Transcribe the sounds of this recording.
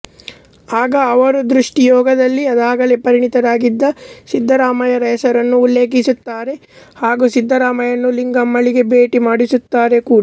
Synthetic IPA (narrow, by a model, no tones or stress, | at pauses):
aːɡɐːʋɐɾud̪ɾuʂʈijɔːɡɐd̪ɐlːiɐd̪aːɡɐlepɐɾiɳit̪ɐɾaːɡid̪ːɐsid̪ʱːɐɾaːmɐjɐɾɐjɐsɐɾɐnːuːlːe̞ːkisut̪ːaːɾe̞ | haːɡusid̪ʱːɐɾaːmɐjɐnːuliŋɡɐmːɐɭiɡe̞beːʈimaːɽisut̪ːaːɾe̞kuːɽa